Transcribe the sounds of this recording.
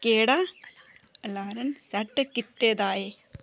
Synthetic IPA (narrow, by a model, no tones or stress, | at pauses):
keːɽa | laːɾɐnsɐʈːɐkːit̪ːeːd̪aːje